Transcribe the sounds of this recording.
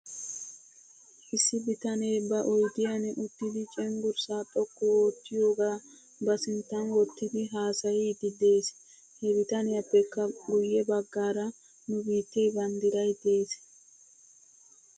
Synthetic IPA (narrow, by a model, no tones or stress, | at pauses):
ʔɪsːɪbɪt̪ɐne̞ːbɐʔɔjd̪ɪjɐnɛʔʊt̪ːɪd̪ɪt͡ʃʼɛŋɡʊɾsaːt̪ʼːɔkːɔwoːt̪ːɪjo̞ːɡaː | bɐsɪnt̪ːɐnwɔt̪ːɪd̪ɪɦaːsɐjiːd̪ɪd̪e̞ːs | hɛbɪt̪ɐnɛɐpːɛkːɐɡʊjːɛbɐɡːaːɾɐ | nʊbiːt̪ːejbɐnd̪ɪɾɐjd̪eːs